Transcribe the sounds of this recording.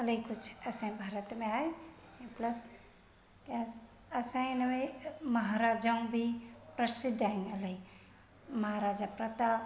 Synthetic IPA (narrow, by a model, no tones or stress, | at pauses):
ɐlɐjkut͡ʃʰɐsãĩbʱaɾət̪mẽajplɐs | as | ɐsãj̃nɐʋemɐɦaɾad͡ʒaũbʱipɾɐsid̪ʱainɐlɐi | mɐɦaɾad͡ʒapɾɐt̪a